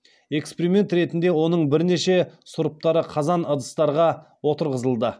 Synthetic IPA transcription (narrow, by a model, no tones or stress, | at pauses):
e̞kspeɾimʲe̞nt̪ɾe̞t̪ɪnd̪e̞wo̞nəɴbɪɾne̞ʃe̞sʊɾəp̚t̪ɑɾəqʰɑzɑnəd̪əst̪ɑɾʁɑ | wo̞t̪əɾʁəzəlˠd̪ə